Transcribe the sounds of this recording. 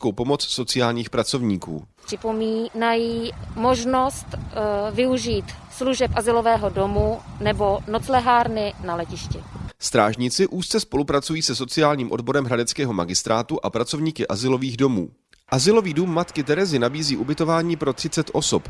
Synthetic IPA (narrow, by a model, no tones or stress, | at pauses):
ko̞wpo̞mo̞t͡sso̞t͡sɪaːlɲiːxpɾat͡so̞vɲiːkṵːpr̥ɪpominajiːmoʒnost̪vɪuʒiːt̪sluʒɛpʔazɪlovɛːɦodo̞munɛbo̞not͡slɛɦaːɾnɪnalɛcɪʃcɪst̪ɾaːʒɲɪt͡sɪʔuːst̪t͡sɛspo̞lupɾat͡sujiːsɛs̬o̞t͡sɪaːlɲiːmʔo̞dbo̞ɾɛmɦɾadɛt͡skɛːɦo̞maɡɪst̪ɾaːt̪uʔapɾat͡so̞vɲiːkɪʔazɪlo̞viːɣdo̞mṵː | ʔazɪlo̞viːduːmːat̪kɪt̪ɛɾɛzɪnabiːziːʔubɪt̪o̞vaːɲiːpɾo̞t̪r̥ɪt͡sɛt̪ʔo̞sop